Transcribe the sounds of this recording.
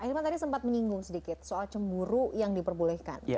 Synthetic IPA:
ʔahirmat̪adisəmpat̪̚məɲiŋɡʊŋsədikɪt̪̚soalt͡ʃəmbuɾujaŋdipərbulɛhka̰n

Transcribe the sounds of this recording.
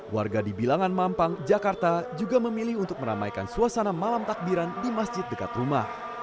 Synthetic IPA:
wa̰rɡadibilaŋanmampaŋd͡ʒakart̪ad͡ʒuɡaməmilihunt̪ʊk̚məɾa̰majkansuasanamalamt̪ak̚biɾandimasd͡ʒɪt̪̚dəkat̪rumah

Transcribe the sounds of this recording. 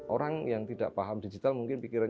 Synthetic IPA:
ʔoɾaŋjaŋt̪ida̰ʔpaɦamdid͡ʒit̪almuŋkɪnpikiɾan

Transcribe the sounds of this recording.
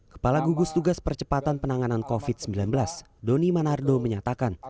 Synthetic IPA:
kə̥palaɡuɡust̪uɡaspərt͡ʃə̥pat̪anpənaŋanankofɪt̪̚səmbilanbəlas | donimanardoməɲat̪akan

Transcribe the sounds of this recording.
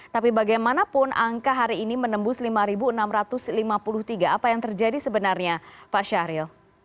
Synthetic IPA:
t̪apibaɡajmanapʊnʔa̰ŋkaɦaɾiːnimənəmbʊslimaɾibuənamɾat̪ʊslimapulʊht̪iɡaapajaŋt̪ərd͡ʒadisəbənarɲapaʃaɾɪl

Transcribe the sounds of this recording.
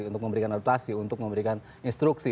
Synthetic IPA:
unt̪ʊk̚məmbəɾikanat̪asiunt̪ʊk̚məmbəɾikan | inst̪ɾuksi

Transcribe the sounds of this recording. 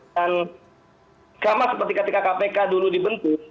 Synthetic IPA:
an | kamasəpərt̪ikət̪ikakapekaduludibənt̪ʊ

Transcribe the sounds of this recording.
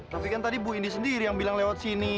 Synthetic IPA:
t̪apikant̪adibuindisəndiɾijaŋbilaŋlewat̪̚sini

